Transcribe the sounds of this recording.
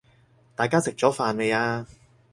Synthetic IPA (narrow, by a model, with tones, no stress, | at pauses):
t̪aː˨jkaː˥sɪ˨k̚t͡sɔː˨˥faː˨˧nle˨˧jaː˧